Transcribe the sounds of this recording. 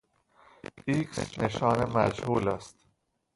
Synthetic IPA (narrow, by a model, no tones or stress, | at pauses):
iksneʃɒːnemæ̰d͡ʒhuːlæst̪